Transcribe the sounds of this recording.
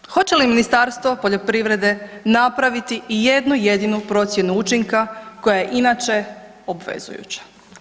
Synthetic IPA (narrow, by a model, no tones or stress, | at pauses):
xo̞t͡ɕe̞liminist̪aɾst̪ʋopo̞ʎo̞pɾiʋɾe̞d̪e̞napɾaʋit̪iije̞d̪nujed̪inupɾo̞t̪sje̞nuut͡ʃiŋkako̞jajeʔinat͡ʃe̞ | o̞bʋe̞̰zṵjṵt͡ɕḁ